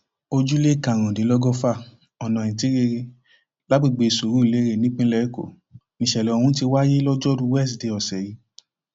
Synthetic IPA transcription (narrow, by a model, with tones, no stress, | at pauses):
o˧d͡ʒu˦le˦˨kã˨ɾ̃ã˨de˨˦lɔ˦ɡɔ˦fa˦˨ | ɔ˨nã˨ĩ˨ti˨˦ɾe˧ɾe˧ | la˨˦ɡ͡bi˦˨ɡ͡be˨˧i˨su˨ɾu˨˦i˦˨le˨˦ɾe˦˨nĩ˦k͡pĩ˦lɛ˦ko̰˦˨ | nĩ˧˨ʃɛ˨lɛ˨o˧hũ˧˦ti˧wa˦je˦lɔ˦d͡ʒɔ˦dũ˧˦wɛ˦˨sde˨˧˦ɔ˨sɛ˨ji˨˦